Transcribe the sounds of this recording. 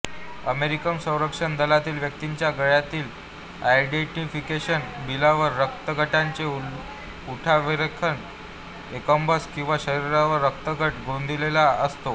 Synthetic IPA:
əmeɾikəmsə̃w̃ɾəkʂəɳd̪əlat̪iːlʋjək̚t̪iɲt͡ɕjaɡəɭjat̪iːl | ajɖeʈifikeɕənbilaʋəɾːək̚t̪əɡəʈaɲt͡ɕe | uʈʰaʋiɾəkʰːəɳ | ekəmbəskĩw̃ʋaɕəɾiɾaʋəɾːək̚t̪əɡʱəʈɡʱond̪ʱilelaəst̪o

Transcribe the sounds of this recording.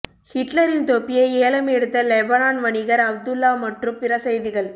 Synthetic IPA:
hɪʈlɐɾɪnt̪opːɪjɐɪeːɭɐmɛɽɯt̪ːɐlɛbɐnaːnʋɐɳɪɣɐɾɐb̚d̪ɯlːaːmɐʈrɯmpɪɾɐsɐjðɪɣɐɭ

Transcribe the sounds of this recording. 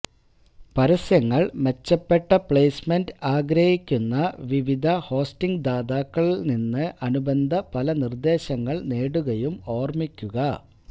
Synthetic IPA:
pɐɾɐsjɐŋːɐɭme̞t͡ɕːɐpːeʈːɐpɭejsmendɨaːɡɾɐhikʲːunːɐʋiʋid̪ʱɐho̞ːstiŋɡd̪aːðaːkːɐɭilninːɨʔɐnubend̪ʱɐpɐlɐnird̪e̞ːɕɐŋːɐɭneːɽuɣɐjumo̞ːrmikʲːuɣɐ

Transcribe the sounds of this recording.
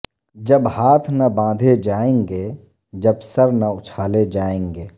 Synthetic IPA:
d͡ʒəbhaːt̪ʰnɐbãːd̪ʱed͡ʒaːẽːŋɡeː | d͡ʒəbsəɾnɐʊt͡ʃʰaːled͡ʒaːẽːŋɡeː

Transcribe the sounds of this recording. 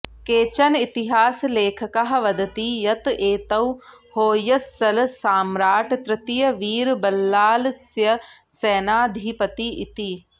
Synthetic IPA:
keːt͡ʃɐnit̪iɦaːsleːkʰɐkɐɦɐ̆ʋɐd̪ɐt̪ijɐt̪eːt̪ɐw | hoːjɐsːɐlsaːmɾaːʈʰt̪ɾɪt̪ijɐʋiːɾbɐlːaːlsjɐ | seːnaːd̪ʱipɐt̪iit̪i

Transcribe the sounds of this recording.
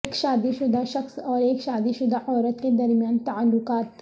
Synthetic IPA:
kʃaːd̪iʃʊd̪aʃɐxsɔːɾeːkʃaːd̪iʃʊd̪ahɔːɾɐt̪ked̪ɐɾmijaːnt̪aʕalːʊkaːt̪

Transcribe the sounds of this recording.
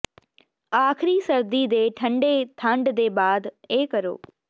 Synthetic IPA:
aːxɪɾisɐɾd̪id̪eːʈʰɐ̃ɳɖet̪ʰãːɳɖd̪eːbaːd̪eːkɐɾo̰ː

